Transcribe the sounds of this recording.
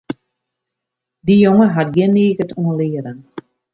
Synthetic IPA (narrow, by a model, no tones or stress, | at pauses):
dijoŋəɦat̚ɡɪnːeːɣətʰuənlɪːəɾən